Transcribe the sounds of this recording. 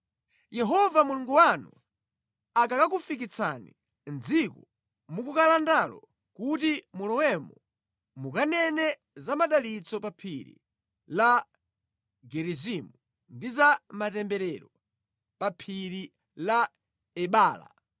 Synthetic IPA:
jɛɦɔvamuluŋɡuwanu | akakak̬ufik̬it͡sʰanḭ | nd͡zikɔ | mukukalandalɔ̰ | kutimulɔwɛmɔ | mukanɛnɛ | zamaɗalit͡sɔpapʰiɾḭ | la | ɡɛɾizimu | ndizamatɛmbɛɾɛɾɔ | papʰiɾi | la | ɛɓaːla̰

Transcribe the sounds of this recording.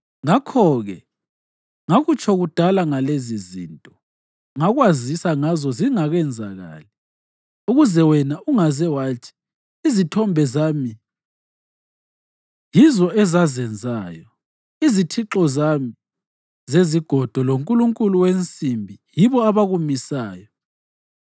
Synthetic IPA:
ŋakʰɔɣɛ | ŋaɣut͡ʃʰʼɔɣud̥ʱalaŋalezizḭntʼɔ | ŋaɣwazisaŋazɔziŋaɣɛnd͡zʱa̰ɣa̰ːli | uɣuzɛwɛnaʔuŋazɛwaːtʰi̥ | izitʰɔmbʱɛzaːmi | jizɔɛzazɛnd͡zʱaːjɔ | izitʰiǁɔzami | zeziɡ̥ʱɔd̥ʱɔloŋkʼuluŋkʼuluwent͡sʼimbʱijiβɔaβaɣumisaːjɔ

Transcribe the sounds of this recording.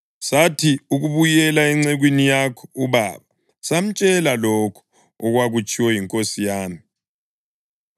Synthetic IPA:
satʰiuɣuβujɛlaɛŋ͡ǀɛɣwinijakʰɔ̥uβa̰ːβa | sam̩t͡ʃʼɛlalɔkʰɔ̥ | ɔɣwaɣut͡ʃʼiwɛjiŋkʼosijaːmi

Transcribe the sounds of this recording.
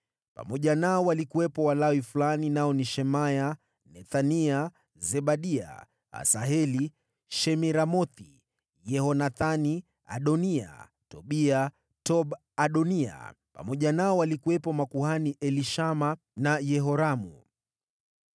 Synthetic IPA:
pa̰mɔʄanaɔwalikuwɛpɔwalawifulaninaɔniʃɛmaja | nɛθania | zɛɓaɗia̰ | a̰saɦɛli | ʃɛmiɾamɔθi | jɛhɔnaθani | a̰ɗɔnia̰ | tɔɓia | tɔɓ | aɗɔnia̰ | pa̰mɔʄanaɔwalikuwɛpɔmakuhaniʔɛliʃama | najɛɦɔɾamṵ

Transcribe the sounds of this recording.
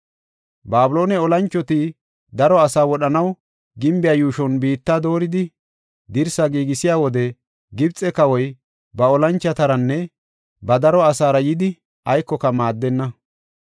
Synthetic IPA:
baːbʊlo̞ːnɛɔlɐnt͡ʃːɔt̪i | d̪ɐɾɔɐsaːwɔɗɐnɐw | ɡɪmbɪjaːjuːʃɔnbiːt̪ːaːd̪o̞ːɾɪd̪ɪ | d̪ɪɾsɐɡiːɡɪsɪjaːwɔd̪ɛ | ɡɪbt͡sʼːɛkɐwɔj | bɐɔlɐnt͡ʃːɐt̪ɐɾɐnːɛ | bɐd̪ɐɾɔɐsaːɾɐjɪd̪ɪ | ɐjkːɔkɐmaːd̪ːɛnːɐ

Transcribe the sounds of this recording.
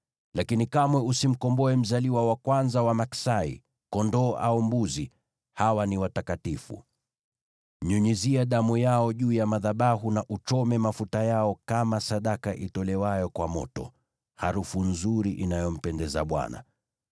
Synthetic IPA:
lakinikamwɛusim̩kɔmbɔɛm̩zaliwawakwanzawamaksaḭ | kɔndɔːʔa̰umbuzi | hawaniwatakatifṵ | ɲuɲiziaɗamujaɔʄuːjamaðaɓaɦunaʔut͡ʃɔmɛmafutajaɔkamasaɗakaʔitɔlɛwajɔkwamɔ̰tɔ̰ | haɾufun̩zuɾiʔinajɔm̩pɛndɛza̰ɓwa̰na̰

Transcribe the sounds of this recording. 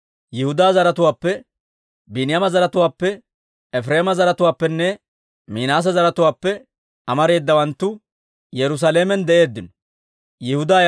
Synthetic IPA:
jɪhʊd̪aːzɐɾɐt̪ʊwaːpːɛ | bɪnɪjɐmɐzɐɾɐt̪ʊwaːpːɛ | ɛfɾeːmɐzɐɾɐt̪ʊwaːpːɛnːɛ | miːnaːs̬ɐzɐɾɐt̪ʊwaːpːɛ | ɐmɐɾe̞ːd̪ːɐwɐnt̪ːʊ | jɛɾʊs̬aleːmɛnd̪ɛʔe̞ːd̪ːɪnɔ | jɪhʊd̪aː

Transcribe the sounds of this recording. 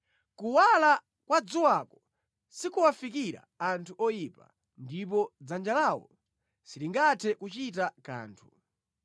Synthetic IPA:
kuwala | kwad͡zuwakɔ | sikuwafikiɾa̰antʰuʔɔjipa̰ | ndip̬ɔd͡zand͡ʒalawɔ̰ | siliŋɡatʰɛkut͡ʃit̬aka̰ːntʰu̥

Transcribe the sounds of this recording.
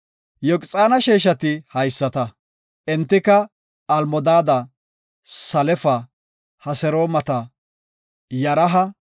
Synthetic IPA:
jɔkʼt͡sʼaːnɐʃeːʃ̬ɐt̪ɪhɐjsːɐt̪ɐ | ʔɪnt̪ːɪkɐː | lmɔd̪aːd̪ɐ | sɐlɛfɐ | hɐsɛɾoːmɐt̪ɐ | jɐɾɐɦɐ

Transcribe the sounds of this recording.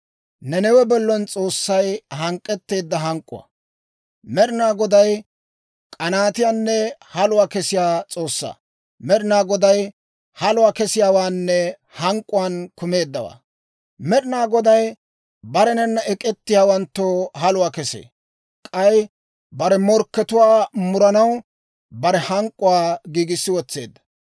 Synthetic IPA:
nɛnɛwɛbɔlːɔnt͡sʼo̞ːsːɐjhɐŋkʼːɛt̪ːe̞ːd̪ːɐɦɐŋkʼːʊ̰ɐ̰ | mɛɾɪnaːɡɔd̪ɐj | kʼɐnaːt̪ɪjaːnːɛhɐlʊwaːkɛsɪjaːt͡sʼo̞ːsːa̰ː | mɛɾɪnaːɡɔd̪ɐj | hɐlʊwaːkɛsɪjaːwaːnːɛ | hɐŋkʼːʊwaːnkʊme̞ːd̪ːɐwa̰ː | mɛɾɪnaːɡɔd̪ɐj | bɐɾɛnɛnːɐʔɛkʼɛt̪ːɪjaːwɐnt̪ːoːhɐlʊwaːkɛsḛː | kʼɐj | bɐɾɛmɔɾkːɛt̪ʊwaːmʊɾɐnɐw | bɐɾɛhɐŋkʼːʊwaːɡiːɡɪsːɪwɔt͡sːe̞̰ːd̪ːɐ̥

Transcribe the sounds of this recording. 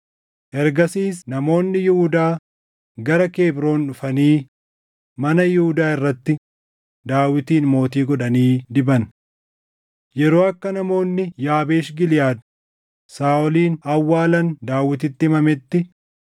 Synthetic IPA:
ʔɛɾɡɐsiːsnɐmo̞ːnːɪjɪhʊd̪aː | ɡɐɾɐke̞ːbɾo̞ːnᶑʊfɐniː | mɐnɐjɪhʊd̪aːɪrːɐt̪ːɪ | d̪aːwɪt̪iːnmo̞ːt̪iːɡɔᶑɐniːd̪ɪbɐn | jɛɾo̞ːɐkːɐnɐmo̞ːnːɪjaːbeːʃɡɪlɪjaːd̪ | saːʔɔliːnɐwːaːlɐnd̪aːwːɪt̪ɪt̪ːɪmɐmɛt̪ːɪ

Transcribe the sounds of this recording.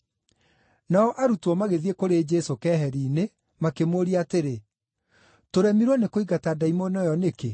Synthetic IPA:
naɔʔaɾutwɔmaɣeðiekoɾed͡ʒɛsokɛɦɛɾiːne | makemoɾiateɾe | toɾɛmiɾwɔnekoiɣatadaimonɔjɔneke

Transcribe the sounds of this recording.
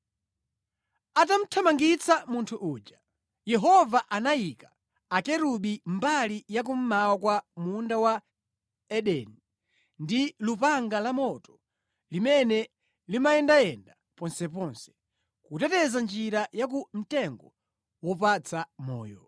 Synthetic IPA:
atam̩tʰamaŋɡit͡sʰamuntʰuʔuːd͡ʒa | jɛɦɔvaʔanajikaː | kɛɾuɓimbalijak̬um̩mawakwamundawa | ɛɗɛni | ndilupaŋɡalamɔtɔ̥ | limɛnɛ | limaɛndaɛnda | pɔnsɛpɔnsɛ̥ | kutɛtɛzand͡ʒiɾajak̬um̩tɛŋɡɔ | wɔpat͡sʰamɔ̰ːjɔ

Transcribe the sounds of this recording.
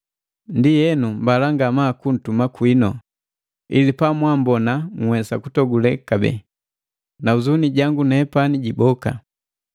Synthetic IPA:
ndijɛnumbalaŋɡamakun̩tumakwinɔ | ḭlipamwambɔnaŋwɛsakutɔɡulɛkabɛ̰ | nauzuniɟaŋɡunɛpaniɟibɔka̰

